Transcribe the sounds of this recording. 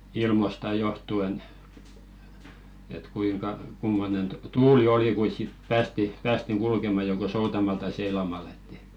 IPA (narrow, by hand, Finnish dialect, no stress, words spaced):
ilmostɑ johtuen et kuiŋkɑ kumːonen tŭ tuːli oli kuis sit pæːsti pæːstiŋ kulkemɑ joko soutɑmɑl tɑi seilɑmɑl e̥tːi̥